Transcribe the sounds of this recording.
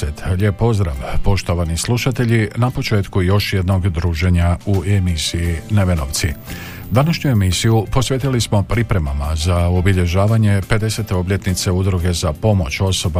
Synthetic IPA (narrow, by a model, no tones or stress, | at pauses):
et̪ʎepːo̞zd̪ɾaʋpo̞ʃt̪o̞ʋanislˠuʃat̪e̞ʎinapo̞t͡ʃe̞ːt̪kujo̞ʃje̞d̪no̞ɡd̪ɾuːʒe̞ɲauemisijineʋe̞no̞̰ʋt̪si | d̪anaʃɲue̞misijupo̞sʋʲe̞t̪ilismo̞pɾipɾe̞mamazaobiʎe̞ʒaːʋaɲe̞pe̞d̪e̞se̞t̪e̞o̞bʎʲe̞t̪nit̪se̞ud̪ɾuɡe̞zapo̞mo̞t͡ɕo̞so̞ba